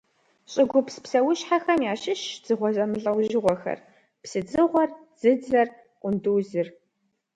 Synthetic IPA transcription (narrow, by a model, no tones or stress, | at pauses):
ɕʼɪɡʷʊpspsɐwʊɕħaxɐmjaːɕɪʃd͡z̥ɨʁʷɔzɐmɨɮʼɐwʒɪʁʷɔxɐ̰r | psɨd͡zɨʁʷɔr | d͡zɨd͡zɐr | qʷʼʊnduːzɨr